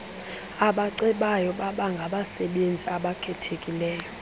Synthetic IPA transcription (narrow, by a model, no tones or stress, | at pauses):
aɓaǀɛɓajɔɓaɓaŋɡʱaɓasɛɓend͡zʱiaɓakʰɛtʰekʼilɛːjɔ